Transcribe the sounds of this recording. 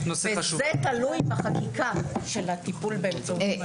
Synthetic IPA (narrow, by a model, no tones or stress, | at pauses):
nosezet̪alujmaχakikaʃelat̪ipulbemzo